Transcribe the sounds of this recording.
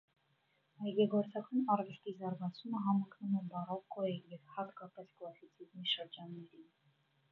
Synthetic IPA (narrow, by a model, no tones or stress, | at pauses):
ɑjɡɛɡɔɾt͡sʰɑkɑnɑrvɛst̪izɑɾɡɑt͡sʰuməɦɑmɔknumɛbɑrɑvkʰɔjɛjɛvhɑt̪kɑpɛskʰlˠɑsit͡sʰizmiʃəɾd͡ʒɑnːɛɾin